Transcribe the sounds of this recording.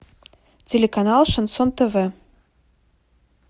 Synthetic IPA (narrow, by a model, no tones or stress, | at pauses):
tʲelʲekanɑlˠʃənsont̪eve